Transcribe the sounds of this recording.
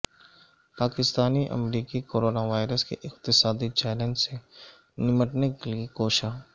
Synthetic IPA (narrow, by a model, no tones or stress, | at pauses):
paːkɪst̪aːniʔɐ̰mɾiːkikoːɾoːnaʋaːɪɾəskḛʔɪq̚t̪ɪsaːd̪it͡ʃɛːlə̃nd͡ʒse | nɪməʈnekeliekoːʃaː